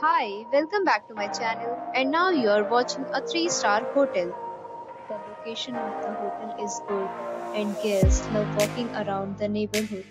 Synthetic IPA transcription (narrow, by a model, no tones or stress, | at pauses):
haɪʋɛlkə̃mbæk̚ʈumaɪt͡ʃænəlɛ̃ɳɖnaʊjuaɾʋɔːt͡ʃɪ̃ŋət̪ʰɾiːsʈaːɾhoːʈɛl | d̪̥əloːkeːʃə̃nɔːʋd̪əɦoːʈəlɪzɡʊɖɛ̃ɳɖɡɛsnaʊtɔːkɪ̃ŋə̰ɾãʊ̃ɳɖ̚d̪əneːbəlɦʊɖ